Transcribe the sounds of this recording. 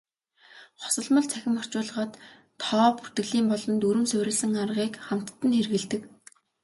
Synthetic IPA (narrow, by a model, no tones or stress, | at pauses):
χɔ̥sə̆ɮmə̆ɮt͡sʰæxʲɪ̆mɔ̥r̥t͡ɕʊːɮʁəːt̪ʰː | ɔːpu̥r̥t̪ɘ̆ɣɮiːmpɔɮɞ̆nt̪uɾɘ̆msʊwɾʲɘ̆ɮsɘ̆ŋarʁiːkχam̥t̪ːə̆nxerɣɘ̆ɮt̪ɘ̆k